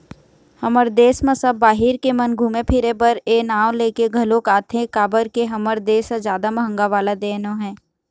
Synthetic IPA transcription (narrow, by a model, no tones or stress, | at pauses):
hɐməɾd̪eːsmɐ̃sɐbːaːɦɪɾkemɐnɡʱuːmepʰɪɾebəɾeːnaːwleːkeɡʱɐlokaːt̪ʰẽkaːbəɾkeɦɐməɾd̪eːsazjaːd̪amɐɦə̃ŋɡaʋaːlad̪eːnõɦɛ̃ː